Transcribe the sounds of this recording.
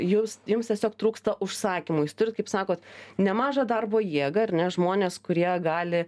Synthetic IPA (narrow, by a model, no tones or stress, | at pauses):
jʊsjʊmst̪ʲiɛsʲoːkt̪ɾuːkst̪ɐʔʊʃsɑːkʲimʊjuːst̪ʊɾʲɪt̪kɐɪpsɑːkoːt̪nʲɛmɑːʒɐd̪ɐrboːjiɛɡɐɐɾʲnʲɛʒmoːnʲeːskʊɾʲiɛɡɑːlʲɪ